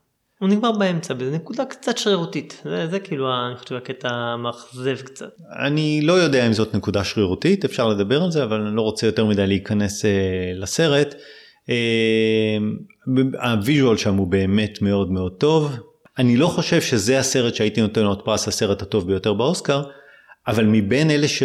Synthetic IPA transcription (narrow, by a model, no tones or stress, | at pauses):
uniɡmaʁbaemt͡sabezenekudakt͡satʃʁiʁutitzezekiːluaniχoʃevaketamaχzevkt͡sa̰t | a̰nilo̞jo̞deaimzo̞tne̞kudaʃʁiʁutitefʃaʁle̞d̪abe̞ʁalze̞avalanilo̞ʁo̞t͡se̞jote̞ʁmidajleikane̞selase̞ʁe̞t | e | m | baviʒualʃamube̞ːme̞tmeo̞dme̞o̞d̚to̞v | anilo̞χo̞ʃe̞vʃe̞zehase̞ʁe̞tʃeaitino̞te̞nlotpʁasase̞ʁethato̞vbejo̞te̞ʁbeo̞skaʁ | avalmibe̞neleʃe